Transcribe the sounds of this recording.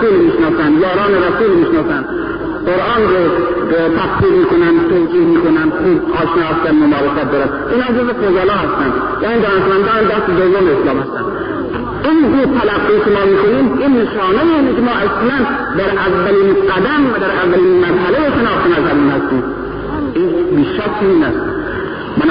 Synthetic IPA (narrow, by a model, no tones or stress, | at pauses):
sulmiːʃnɒːsænd̪jɒːɾɑːneɾæsuːlmiːʃnɒːsænd̪ | qoɾʔɑːnɾot̪ʰæqsiːɾmiːkʰonænd̪t̪ʰod͡ʒiːhmiːkonænd̪xuːbɒːʃnɒːhæst̪ænmonɑːɾesæt̪̚d̪ɒːɾænd̪ʔiːnhɑmd͡ʒozbexozælɒːhæst̪ænd̪ | jæːniːd̪ɒːneʃmænd̪ɑːnænd̪æst̪ed̪ovomeːslɑːmhæst̪ænd̪ | inuːt̪ʰælæɡːiːkʲemɒːmiːkʰoniːminːeʃɑːnejeiːnikʲemɒːʔæslæn | d̪æɾʔævːæliːnɢæd̪æmvæd̪æɾʔævːæliːnmæzhælejeʃenɒːxt̪enæzhæmiːnhæst̪iːm | ʔiːnbiʃæɾt͡ʃʰiiːnæst̪ | mæn